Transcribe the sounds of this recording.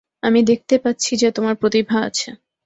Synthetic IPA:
amid̪ek̚t̪epatːɕʰid͡ʑet̪omaɾpɾot̪ibʱaa̰t͡ɕʰe

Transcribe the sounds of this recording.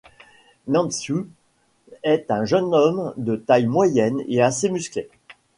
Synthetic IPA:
nɑ̃nsu | ɛt̪ɛ̃ʒənɔmd̪ət̪ajmwajɛnḛasemyskle

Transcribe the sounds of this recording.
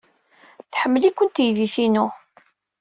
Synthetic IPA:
θħəmːəlikʷːənt̪jðiθinʊ

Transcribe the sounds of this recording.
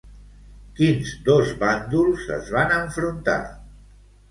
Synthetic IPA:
kinzd̪ozβand̪ulˠzə̰zβanəɱfɾunt̪a̰

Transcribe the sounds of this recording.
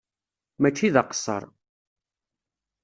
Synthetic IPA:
mæt͡ʃːiðɑqə̥sˤːə̰ɾˤ

